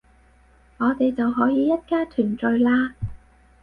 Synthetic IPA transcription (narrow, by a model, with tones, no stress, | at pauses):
ŋɔː˨˧t̪e˨jt͡sɐ˨wɦɔː˨˥jiː˨˧jɐ˥t̚kaː˥t̪ʰyː˨˩nt͡sɵ˨ɥlaː˧